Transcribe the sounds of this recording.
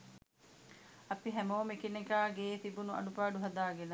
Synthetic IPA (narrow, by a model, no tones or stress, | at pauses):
ɐpiɦæmoːmekinekaːɡeːt̪ibunuʔɐ̰ɖupaːɖuɦɐd̪aːɡenɐ